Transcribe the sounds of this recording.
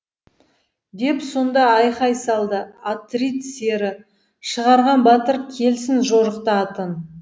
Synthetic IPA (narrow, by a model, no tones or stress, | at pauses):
d̪e̞pso̞nd̪ɑɑjqɑjsɑlˠd̪əat̪rit̪seɾɪ | ʃəʁɑɾʁɑnbɑt̪əɾkʲʰe̞lsɪnʒo̞ɾəqt̪əɑt̪ən